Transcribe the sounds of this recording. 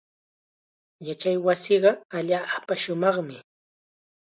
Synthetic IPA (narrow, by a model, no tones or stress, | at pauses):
jat͡ʃajwasɪɢɑaʎaːʔpaʃʊmɑχmɪ